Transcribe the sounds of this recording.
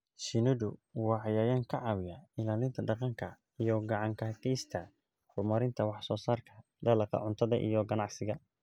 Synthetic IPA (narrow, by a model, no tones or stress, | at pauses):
ʃɪnʊdʊwɑːʕɑjaːjaːŋkʰɐʕɑβɪjɐɪlaːlɪnt̪ʰɐɖɑqɑŋkʰɐ | ijɔɡɑʕɑŋkʰɐɦɐkiːst̪ʰɐ | hʊrmɐɾɪnt̪ʰɐwɑħsɔːsaːrkʰɐ | d̪ɐlɑqɑ̰ʕʊnt̪ʰɐðɐ̰ʔḭjɔɡɐnɑʕsɪɣɐ